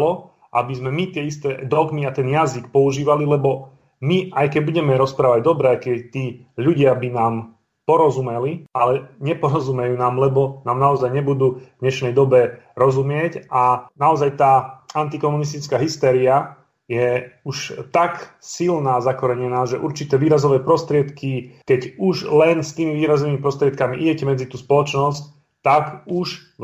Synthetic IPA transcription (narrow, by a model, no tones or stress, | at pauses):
lɔ | ʔa̰bizmɛmit̪ɪɛist̪ɛd̪ɔɡmiat̪ɛnjazikpɔuʒiːʋalilɛbɔ | miajkɛɟbuɟɛmɛɾɔspɾaːʋaɟd̪ɔbɾɛajkɛt̪iː | ʎuɟɪabinaːm | pɔɾɔzumɛlialɛɲɛpɔɾɔzumɛjuːnaːmlɛbɔnaːmnaɔzajɲɛbud̪uːvd̪ɲɛʃnɛjd̪ɔbɛɾɔzumɪɛcʔanaɔzajt̪aːant̪ikɔmunis̬t̪it͡skaːɦist̪ɛːɾia | jɛuʃt̪aksilnaːzakɔɾɛɲɛnaːʒɛʔuɾt͡ʃit̪ɛːʋiːɾazɔʋɛːpɾɔst̪ɾɪɛt̪kikɛɟuʒlɛnst̪iːmiʋiːɾazɔʋiːmipɾɔst̪ɾɪɛt̪kamiʔiɟɛcɛmɛd͡zit̪uːspɔlɔt͡ʃnɔsc | t̪akuʃ